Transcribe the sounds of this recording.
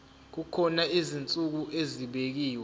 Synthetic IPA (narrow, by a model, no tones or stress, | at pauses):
k̬ukʰɔnaizint͡sʼuk̬uʔeziɓek̬iːwɛ